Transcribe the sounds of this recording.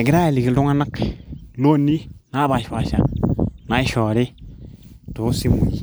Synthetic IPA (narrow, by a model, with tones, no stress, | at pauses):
ɡi˦ɾa˦i˨li˨ɡi˨ldu˦ŋa˦na˦klo˦nːi˦na˦ba˨ʃpa˨ʃa̰˦na˦i˦ʃo˨ɾi˦ | to˨˦si˦mṵ˨ji˦